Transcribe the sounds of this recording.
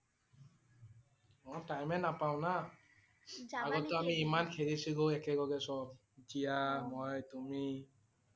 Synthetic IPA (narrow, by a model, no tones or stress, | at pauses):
mɔtajmɛnapaʊ̃na | aɡɔtɔamiːmankʰeɹisiɡoɛkɛɡɔɡɛsɔb̚ | d͡ʒijamɔjtumi